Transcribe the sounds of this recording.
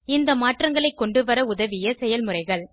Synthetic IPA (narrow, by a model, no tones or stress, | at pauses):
ɪnd̪ɐmaːʈrɐŋɡɐɭɐɪkːɔɳɖɯʋɐɾɐʊðɐʋɪjɐsɛjɐlmɯrɐɪɣɐɭ